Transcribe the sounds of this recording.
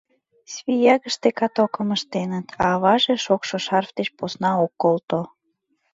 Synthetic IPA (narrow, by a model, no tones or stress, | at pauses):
sβʲijɑɣəʃt̪ekɑt̪okəməʃt̪enət̪ʰɑβɑʒeʃokʃoʃɑrfd̪et͡ɕposnɑokːolt̪o